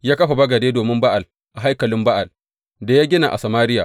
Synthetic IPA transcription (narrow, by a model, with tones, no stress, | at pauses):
jaː˦kɐ˦ɸa˨bɐ˦ɡɐ˨deː˦doː˨mɪ˦mba˦ʔa˨l | ʔa˨ɦa˦jkɐ˨lɪ˦mba˦ʔa˨l | da˨jaː˦ɡʲɪ˦na̰˨ʔa̰˨sɐ˨maː˦ɾɪ˦ja̰ː˨